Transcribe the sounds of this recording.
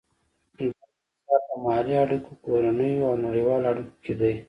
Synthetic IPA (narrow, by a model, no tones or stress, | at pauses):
nd̪a | sat̪amɑɾiaɽukokoɾanəjoawnaɽiwɑːlaɽukoked̪aj